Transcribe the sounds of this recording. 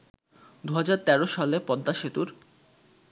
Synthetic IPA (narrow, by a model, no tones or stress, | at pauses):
d̪uɦad͡ʑaɾt̪ɛɾoʃalepɔd̪ːaʃit̪uɾ